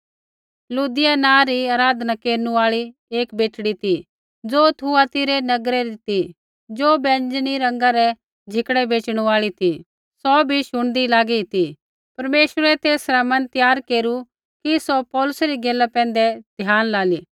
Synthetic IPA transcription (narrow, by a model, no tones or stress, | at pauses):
luːd̪ɪjanãːɾiaːɾaːd̪nakeːɾnũaːɭieːkbeːʈɽit̪ʰi | d͡zoːt̪ʰuat̪ɪɾɛnɐɡɾɛɾit̪i | d͡ʒoːbɛ̃ːnd͡ʒniɾɐ̃ŋɡaɾɛ | d͡ʒʱɪkɽɛbeːt͡ʃɽ̃ũaːɭit̪ʰi | sɔbʱiʃʊɽ̃d̪ilaːɡit̪ʰi | pɐɾmeːʃəɾɛt̪eːsɾamɐ̃nt̪jaːɾkeːɾu | kisɔpɔːlʊsɾiɡeːlːapɛ̃ːnd̪ɛd̪̥ʱjaːnlaːliː